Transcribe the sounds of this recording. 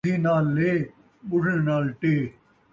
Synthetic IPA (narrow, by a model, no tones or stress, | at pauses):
iːnaːlːeː | ɓʊʈʰɽenaːlʈeː